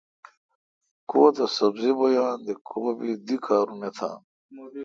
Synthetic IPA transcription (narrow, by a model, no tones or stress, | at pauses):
koːt̪ɐsɐbzibojaːnd̪ekʰoːbid̪ikʰaːɾumet̪ʰa̰ːn